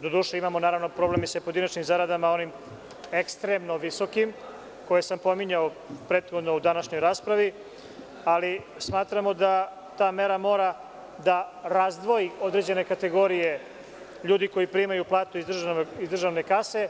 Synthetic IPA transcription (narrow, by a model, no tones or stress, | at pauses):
d̪o̞d̪uːʃeimamo̞naːɾaʋno̞pɾoblemisapoed̪inat͡ʃnimzaɾad̪amao̞nim | ekst̪ɾemno̞ʋiso̞kim | ko̞jesampo̞miɲao | pɾe̞t̪xod̪no̞ud̪anaʃɲojɾaːspɾaʋi | ali | smaːt̪ɾamo̞d̪a | t̪aːme̞ɾamo̞ːɾa | d̪aɾazd̪ʋo̞io̞d̪ɾe̞d͡ʑe̞ne̞kat̪e̞ɡo̞ːɾije̞ | ʎuːd̪iko̞jipɾimajuplˠaːt̪uizd̪rizd̪rʒaʋne̞kase̞